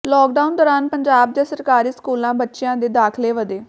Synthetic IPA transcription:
lɔːk̚ɖaːʊnd̪ɔːɾaːnpəɲd͡ʒaːb̚d͡ʒãːsəɾkaːɾiːskuːlãːbətːʃɪjãːd̪eːd̪aːkʰleːʋəd̪eː

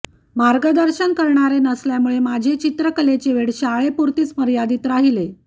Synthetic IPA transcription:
maɾɡəd̪əɾɕənkəɾɳaɾenəsljamuɭemad͡ʑʱet͡ɕit̪ɾəkəlet͡ɕeʋeɽɕaɭepuɾt̪iːt͡sməɾijad̪iːt̪ɾaɦile

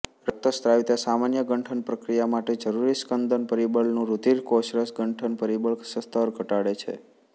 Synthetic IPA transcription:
ɾək̚t̪əst̪ɾaʋit̪asamanjəɡəɳʈʰənpɾəkɾijamaʈed͡ʒəɾuɾiskənd̪ʱənpəɾibəɭnũɾud̪iɾkoʃɾəsɡəɳʈʰənpəɾibəɭksəst̪ʰəɾɡʱəʈaɽet͡ʃʰḛ

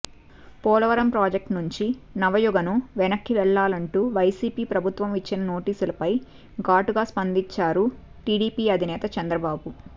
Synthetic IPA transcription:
pɔːlɐʋɐɾɐmpɾaːd͡ʒek̚ʈnuɲt͡ʃinɐʋɐjuɡɐnuʋɛnɐkːiʋɛɭːaːlɐɳʈuːʋɐjsiːpiːpɾɐbʱut̪ʋɐmʋit͡ʃːinɐno̞ːʈiːsulɐpɐj | ɡaːʈuɡaːspɐnd̪iɲt͡ʃːaːɾu | ʈiːɽiːpiːɐd̪ʱinɛːt̪ɐt͡ʃɐnd̪ɾɐbaːbu

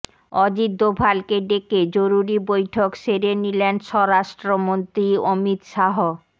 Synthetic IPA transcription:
ɔd͡ʑid̪ːobʱalkeɖeked͡ʑoɾuɾibojʈʰokʃeɾenilenʃɔɾaʃʈɾomont̪ɾiomit̪ʃaɦo

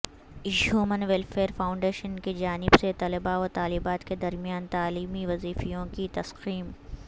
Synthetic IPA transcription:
juːmənʋelfeːɾfaːʊ̃ɳɖeːʃənkid͡ʒaːnɪbset̪ɐləbaɔːɾt̪aːliːbaːt̪ked̪ɐɾmijaːnt̪aːliːmiʋɐziːfijõkit̪ɐsqiːm

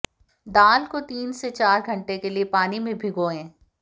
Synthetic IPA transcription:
d̪aːlkot̪iːnset͡ʃaːɾɡʱɐ̃ɳʈekeliepaːnimẽbʱɪɡoːẽː

